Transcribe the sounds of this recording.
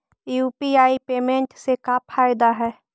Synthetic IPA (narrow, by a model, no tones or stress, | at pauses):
juːpiaːipeːmẽɳʈsekapʰaːɪd̪aɦɛː